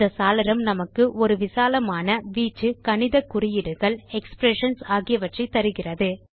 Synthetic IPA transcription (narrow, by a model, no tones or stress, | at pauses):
d̪ɐsaːlɐɾɐmnɐmɐkːɯʔɔɾɯʋɪsaːlɐmaːnɐʋiːt͡ʃːɯkɐnɪðɐkːʊrɪjɪɽɯɣɐɭɛkspɾɛʂɐnsaːɣɪjɐʋɐʈrɐɪt̪ːɐɾɯɣɪrɐðɯ